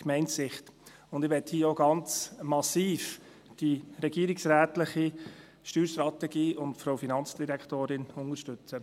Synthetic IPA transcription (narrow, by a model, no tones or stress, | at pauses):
kmɛɪntsɪχt | ʊnd̥̪ɪʋɛthiːəoɡɑnt͡smɑsiːf | d̥iɾɛɡ̥iːɾɪksɾæːtlɪχi | ʃtyːɾʃtɾɑt̪ɛɡiːʊntfɾoʊfinɑnt͡sd̥iɾɛkʰtoːɾɪnʊnəɾʃtʏt͡sə